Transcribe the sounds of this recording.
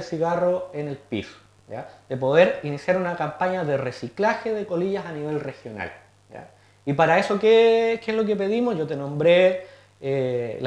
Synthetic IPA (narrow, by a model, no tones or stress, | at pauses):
esiɣaroenelpḭs | ja̰ðepo̞ðeɾinisjaɾunakampaɲaðeresiklaxeðeko̞liʝasaniβe̞lrexjona̰l | ja̰ | ipaɾaeso̞kekeezlok̬epe̞ðimosʝot̪enõ̞mbɾe | ela